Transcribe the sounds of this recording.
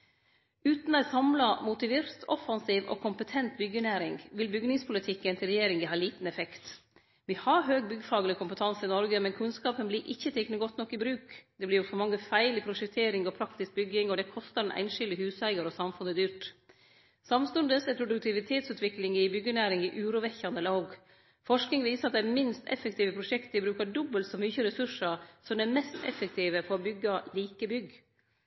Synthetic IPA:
ʉːt̪næɪsɑmlɑmʊt̪ɪʋɪːɾt̪ʰɔfɑnsiːʋɔ̰kʰʊmpət̪ʰɛnt̪bʏɡːənæːɾɪŋʋɪlbʏɡnɪŋspʰʊlɪt̪ʰɪkːənt̪ʰɪlɾɛjeːɾɪŋəhɑːliːt̪n̩ɛfɛkt̪ | ʋɪhɑɾɦøːɡ̚bʏɡːəfɑːɡəlɪkʰʊmpət̪ʰɑnsɪnɔɾɡəmɛnkʰʉnskɑːpənbliːɾʔɪçːət̪ʰeːknəɡɔt̪ːnɔkːɪbɾʉːkd̪ɛblɪɾjʊsɔmɑŋːəfæɪlɪpʰɾʊʂɛk̚t̪ʰeːɾɪŋɔpʰɾɑkt̪ɪsk̚bʏɡːɪŋɔd̪ɛkʰɔst̪əɖɛnʔæ̰ɪnʃɪld̪əhʉːsæɪɡəɾɔsɑmfʉnəd̪yːɾʈ | sɑmst̪ʉnd̪əsɛpʰɾʊd̪ʉk̚t̪ʰɪʋɪt̪ʰeːt̪sʉːt̪ʋɪklɪŋɪbʏɡːənæːɾɪŋɪʔʉːɾʊʋɛçːɑnəlɑɡ | fɔʂknɪŋʋiːsəɾɑt̪̚d̪æɾmɪnst̪ɛ̰fːəkt̪iːʋəpʰɾʊʂɛkt̪əɪbɾʉːkɑɖɔbːəlt̪sɔmyːçəɾɛsʉʂəɾsɔmd̪ɛmɛst̪ɛ̰fək̚t̪ʰiːʋəfɔɾɔbʏɡːɑliːkəbʏɡ

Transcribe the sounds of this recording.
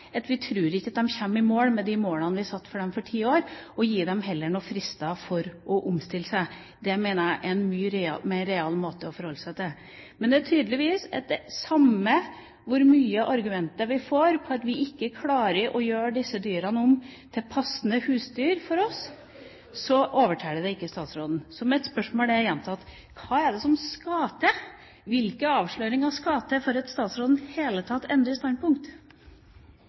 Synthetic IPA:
ɑt̪ʋɪt̪ʰɾʉːɾɪçːɑt̪̚d̪ɛmçɛmːɪmoːlmɛd̪ɪmoːlɑnʋɪsɑt̪ːfɔɖɛmfɔʈʰiːoːɾɔjiːd̪ɛmɦɛlːəɳuːfɾɪst̪ɑfɔɾʔɔʔʊmst̪ɪləsæɪ | d̪ɛmeːnəæʔɛnmyːɾɑ̰mɛːɾɛɑlːmoːt̪əɔfɔɾhɔlːəsɛt̪ɛ | mɛnd̪ɛæʈʰyːd̪lɪʋiːsɑt̪̚d̪ɛsɑmːə | ʋʊɾmyːəʔɑɾɡʉmɛnt̪əɾʋɪfoːɾpʰɔɑt̪ʋɪʔɪkːəkʰlɑːɾəɾʔɔjøːɖɪsːəd̪yːɾɑnəʊmt̪ʰɪlpʰɑsnəhʉːsd̪yːɾfɔɾɔs | sɔʔoːʋəʈʰæːd̪əd̪ɛɪkːəst̪ɑːt̪sɾoːd̪n̩sɔmɛt̪spœʂmoːlæjɛnt̪ʰɑt̪ | kʰɑːɛɖɛsɔmskɑːt̪ə | ʋɪlkəɑːʋʂɭøːɾɪŋɑʋskɑːt̪əfɔɾɑt̪st̪ɑːt̪sɾoːd̪n̩heːlət̪ʰɑt̪ːɛnd̪ɾəɾɪst̪ɑn̚pʊŋkt̪

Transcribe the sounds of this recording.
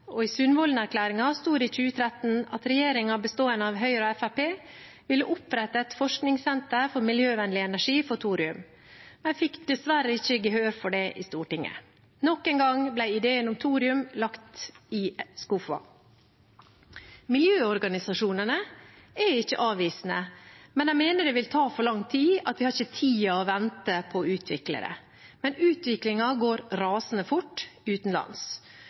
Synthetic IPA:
ɔiːsʉnʋɔlnæɾkʰlæːɾɪŋɑst̪uːɾic͡çʉːət̪ʰɾɛt̪n̩ɑt̪ɾɛjeːɾɪŋɑbəst̪oːənəɑʋɦœʏɾɔɛfæpeː | ʋɪlːəʔʊpɾɛt̪ɑɛt̪fɔʂknɪŋsɛnt̪əɾfɔɾmɪljøːʋɛnlɪɛnæʂiːfɔt̪ʰuːɾɪʉm | mɛnfɪkd̪̥ɛsʋæɾəɪçːəɡəɦøːɾfɔɖɛʔɪ̰st̪uːʈɪŋə̰ | nɔkːɛːŋɡɑŋblæɪɪd̪eːənʊmt̪ʰuːɾɪʉmlɑkt̪ɪskʊfɑ̰ | mɪljøːɔɾɡɑnɪsɑʂuːnənə | æɪçːə̰ʔɑːʋiːsnəmɛnæɪmeːnəɖɛʋɪlt̪ʰɑːfɔɾɭɑŋt̪ʰiːɑt̪ʋɪhɑɾɪçət̪ʰiːɔʋɛnt̪əpʰɔʉːt̪ʰʋɪklə̰ɾə̰ | mɛnʉːt̪ʋɪklɪŋɑɡoːɾɾɑːsn̩əfʊʈːʉːt̪n̩lɑ̰ns

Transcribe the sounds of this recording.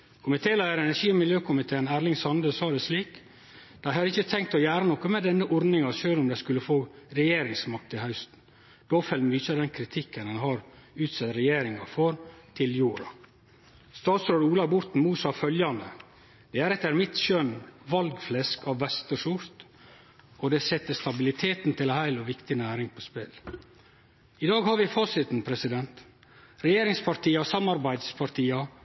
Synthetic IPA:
kʰʊmɪt̪ʰeːlæɪəɾɛnæʂiːmɪljøːkʰʊmɪt̪ʰeːnæːɾɭɪŋsɑnd̪əsɑːd̪ɛsliːk | d̪̥æɪhɑd̪ɪçət̪ʰɛŋk̚t̪ɔjæːɾənɔkəmɛd̪ɛnːəʔɔɾd̪nɪŋɑʃøːlʊmd̪æɪskʉlːəfoːɾɛjeːɾɪŋsmɑk̚t̪ɪhɑʉst̪n̩ | d̪̥oːfɛlːmʋɪçɑd̪ɛnkʰɾɪt̪ʰɪkːənɑnɦɑɾʉːt̪sɛt̪ɾɛjeːɾɪŋɑfɔɾt̪ʰɪljuːɾɑ̰ | st̪ɑːt̪sɾoːɖuːlɑbʊɾt̪n̩muːsɑːfœljɑnə̰ | d̪̥ɛæɾɛt̪ːəɾmɪt̪ʃœnʋɑlɡflɛskʰɑʋːɛst̪əʂʊɾt̪ | ɔd̪ɛsɛt̪ːəst̪ɑbɪlɪt̪ʰeːt̪n̩t̪ɪlhæɪlɔʋɪkt̪ɪnæːɾɪŋpʰɔspɛl | ɪd̪ɑːɡhɑɾʋɪfɑːsɪt̪n̩pʰɾɛsɪd̪ɛnt̪ | ɾɛjeːɾɪŋspʰɑɾʈiːɑsɑmɑɾbæɪd̪spʰɑɾʈiːɑ

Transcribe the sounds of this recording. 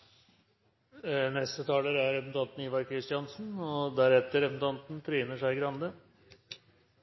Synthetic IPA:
nɛst̪ət̪ʰɑːləɾæɾɾɛpən̩t̪ʰɑnt̪n̩iːʋɑɾkʰɾɪst̪jɑnsn̩ɔd̪æɾɛt̪ːəɾɛpən̩t̪ʰɑnt̪n̩t̪ʰɾiːnəʂæɪɡɾɑnd̪ə

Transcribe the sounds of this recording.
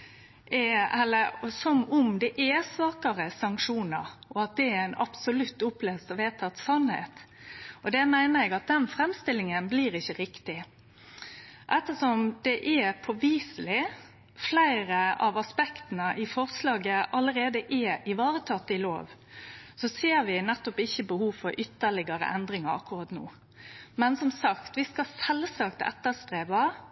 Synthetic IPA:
ɛɛlːəɾsɔmʊmd̪ɛʔɛsʋɑːkəɾəsɑŋkʂuːnə̰ɾɔɑt̪̚d̪ɛæɾæɪnɑ̰psʊlʉt̪ːʊplɛːst̪ɔʋeːt̪ʰɑt̪sɑnhḛːt̪ | ɔd̪ɛmæɪnəɾɛɡɑt̪̚d̪ɛnfɾɛmst̪ɪlːɪŋənbliːɾɪçːəɾɪkt̪ɪ | ʔɛt̪ːəsɔmd̪̥ɛʔɛpʰɔʋiːsəl̩ɪ | flæɪɾəɑ̰ʋɑspɛkt̪nəʔɪfɔʁslɑːɡəʔɑləɾeːd̪əʔɛɪʋɑːɾət̪ʰɑːt̪ːɪlo̰ːʋsɔseːɾʋɪnɛt̪ːɔpɪçːəbəhuːfɔɾʔʏt̪ːəɭɪɡəɾə̰ʔɛnd̪ɾɪŋɑɾɑ̰kːʊɾɑːt̪no̰ː | mɛnsɔmsɑkt̪ʋɪskɑsɛlsɑkt̪ɛ̰t̪ːəst̪ɾeːʋɑ

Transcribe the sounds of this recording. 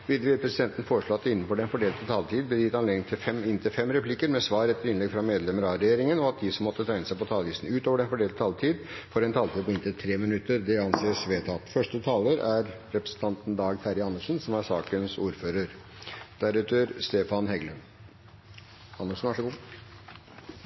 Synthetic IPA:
ʋɪd̪ʋɪpɾɛsɪd̪ɛnt̪ən̩foːɾəʂɭoːɑt̪ːəɪnːən̩fɔɖɛnfɔɖeːlt̪ət̪ʰɑlt̪ʰiːd̪̚bəd̪ɪt̪ɑneːɡ̪ɪŋt̪ʰɪfɛmɪnt̪ɪfɛmɾɛpʰlɪkəɾmɛsʋɑːɾɛt̪ːəɾɪnlɛɡfɾɑmeːd̪lɛmːəɾɑɾɛjeːɾɪŋənɔɑt̪̚d̪ɪsɔmːɔt̪ːət̪ʰɾæɪnəsæɪpɔt̪ʰɑːləʋiːsn̩ʉːt̪oːʋəɖɛnfɔɖeːlt̪ət̪ʰɑlt̪ʰiːd̪fɔɾɛnt̪ʰɑːlt̪iːd̪pʰɔɪnt̪ət̪ʰɾeːmɪnʉt̪ːəɾd̪ɛɑnseːsʋeːt̪ʰɑt̪fœʂʈət̪ʰɑːləɾæɾ | ɾɛpɾə̥sən̩t̪ʰɑnt̪nd̪ɑːɡt̪ʰæɾɪɑnːəʂn̩sɔmæsɑːkənsuːɾføːɾəɾ | d̪̥æɾʉːt̪əɾst̪eːfɑnhɛɡlən | ɑnːəʂnʋæʂəɡuː

